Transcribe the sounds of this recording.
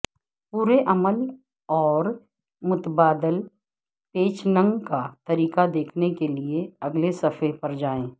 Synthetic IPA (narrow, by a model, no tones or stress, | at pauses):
puːɾeʔɐməl | ɔːɾ | mʊt̪baːd̪əl | peːt͡ʃnə̃ŋɡkat̪ɐɾiːkad̪eːkʰnekelieɐɡlesɐfəpɐɾd͡ʒaːẽː